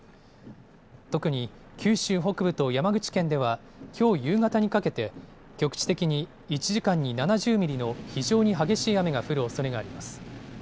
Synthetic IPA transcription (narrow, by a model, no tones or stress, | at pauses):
t̪o̞kɯ̟ɲ̟i | kʲɨːɕɨːɦo̞kɯ̟bɯ̟t̪o̞jamaɡɯ̟t͡ɕi̥kẽ̞nd̪e̞β̞a | kʲʰo̞ːjɯːɡat̪aɲ̟ikake̞t̪e̞ | kʲo̞kɯ̟̥t͡ɕi̥t̪e̞kʲiɲ̟i | it͡ɕiʑikãɲ̟ːinanaʑɨːmʲiɾʲino̞çiʑo̞ːɲ̟iɦaɡe̞ɕiːame̞ɡaɸɯ̟ɾɯ̟o̞so̞ɾe̞ɡaːɾʲimasɨ̥